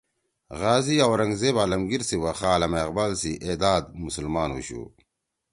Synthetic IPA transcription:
ɣaːziawɾɐŋɡzeːbaːlɐmɡiɾsiwɐxaːlɐmɐɐqbalsiʔeːd̪aːd̪̚musulmaːnṵɕṵ

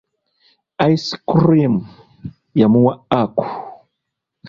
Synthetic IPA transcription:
ajskɾim | jamuwaaku̥

